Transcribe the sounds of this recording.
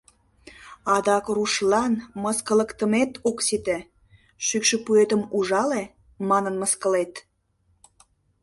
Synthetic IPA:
ɑd̪ɑkruʃlɑnməskələkt̪əmet̪oksit̪e | ʃykʃə̆puet̪əmuʒɑle | mɑnənməskəlet̪

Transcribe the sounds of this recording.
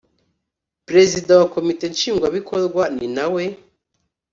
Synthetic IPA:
pɾe̞zidãwakomite̞nt͡ʃiːŋɡwaβikʰoɾɡwaninawe

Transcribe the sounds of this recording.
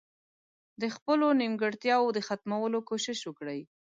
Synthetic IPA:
d̪əxpəlonimɡəɽt̪jɑwod̪əxat̪mawəlokoʃɪʃwəkɽəj

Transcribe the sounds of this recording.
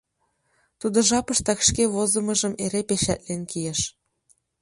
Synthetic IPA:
t̪ud̪ŏʒɑpɤʃt̪ɑkʃkeβozə̆mɤ̆ʒəmeɾepeʃæt̪lenkijeʃ

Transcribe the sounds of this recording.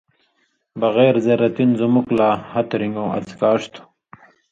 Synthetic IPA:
bɐɣeːɾzɐɾɐt̪inzumuklaːhɐt̪ɾiŋɡõːʔɐ̰t͡skaːʂt̪ʰu̥

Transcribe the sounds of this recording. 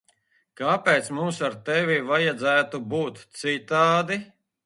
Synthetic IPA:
kaːpɛːt̪smumsaɾt̪ɛvʲivajad̪zæːt̪ubuːt̪sit̪aːd̪i

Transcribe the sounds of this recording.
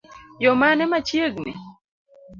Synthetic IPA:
jɔmanɛmat͡ʃjeɡnḭ

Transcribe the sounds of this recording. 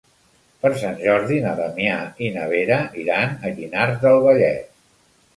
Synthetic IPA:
pəɾsanʲʒɔɾðinəðəmjainəβ̞eɾəʔiɾanəʎinaɾt̪d̪əlˠβəʎɛ̰t̪

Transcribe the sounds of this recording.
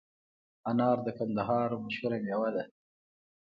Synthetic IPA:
anɑːɾd̪əkand̪aɦɑːɾomaʃhuɾamjawad̪a

